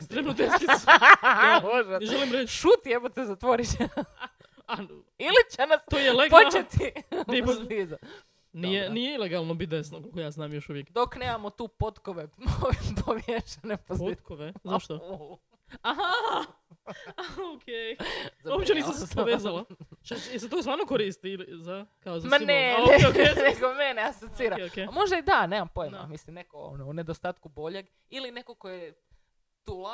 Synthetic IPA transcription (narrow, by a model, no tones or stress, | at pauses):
ekst̪ɾemnot̪eki | oʒaʒelimɾeʃut̪ieʋot̪ezat̪ʋoɾit͡ɕe | a | ilit͡ɕenasojeleɡpot͡ʃet̪id̪epiːza | nijenijeilˠeɡalˠnobit̪d̪esnokolˠkojaːznaːmjoʃuʋjekd̪okneːmamot̪uːpot̪koʋeoʋpoʋjeʃanepopot̪koʋezaʃt̪o | aɦa | okʰezaopt͡ɕenissamssoʋeːzalat͡ʃaiset̪okost̪ʋaːɾnokoɾist̪ilizakaozmaneneeneɡomeneasot̪siːɾakemo̞ʒd̪aid̪ane̞ːmampojema̰mislimnekoo̰noune̞d̪ost̪aːt̪kubo̞ʎe̞ɡ | iline̞kokoje | t̪ula